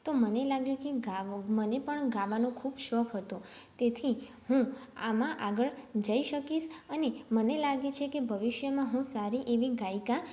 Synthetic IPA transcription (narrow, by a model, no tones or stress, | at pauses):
t̪omənelaɡjũkeɡamənepəɳɡãʋanũkʰubʃɔkʰɦət̪ũt̪et̪ʰi | hũamãʔaɡəɭd͡ʒəiʃəkiʃənemənelaɡet͡ʃʰekebʱəʋɪʃjəmãɦũsaɾiʔeʋiɡajkã